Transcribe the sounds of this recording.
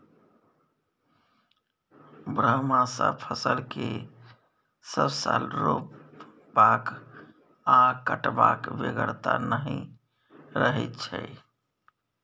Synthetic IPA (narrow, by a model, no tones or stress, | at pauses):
bɾəɦmãsəpʰəsəlke | səbsalɾop | bak | akəʈbakʋeɡəɾt̪anəɦĩ | ɾəɦɛt̪̚t͡ʃʰɛ